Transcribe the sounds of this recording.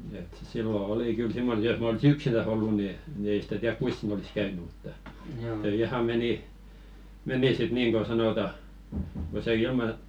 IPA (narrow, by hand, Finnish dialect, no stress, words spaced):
et silːo oli kyl simːon̆ jos m olsi yksinæs olːu ni ni ei sĭ̥tæ tiærk kuis siːn olis kæyny mutːɑ se ihɑ meni meni sit niːŋ ko sɑnotɑ ko se ilmɑ